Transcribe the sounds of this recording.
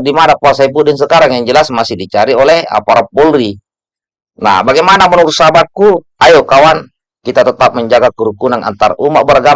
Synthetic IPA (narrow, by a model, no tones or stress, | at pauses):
dimadak̚uasaipudɛŋs̬əkaɾaŋjaŋd͡ʒəlasmasihdit͡ʃaɾiolɛha̰paɾapɔlɾi | na̰baɡɛmanamənuɾusabat̪̚ku | ajokawan | kit̪at̪ət̪ap̚məɲd͡ʒaɡakəɾukunana̰nt̪aɾumaʔbəɾaɡa